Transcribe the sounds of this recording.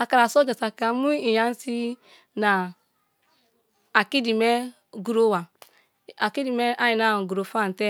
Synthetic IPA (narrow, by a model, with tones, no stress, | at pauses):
a˨ka˨ɾa˨so˦d͡ʒe˨sa˨ka˨˦mu˦i˨ja˦n˦si˦ | na˨ | ki˦di˨me˦ | ɡu˨ɾo˦wa˨ | a˨ki˦di˨mɛ˦ʔa˦ji˨na˦˨ɡu˨ɾo˨fa˦˨tɛ˦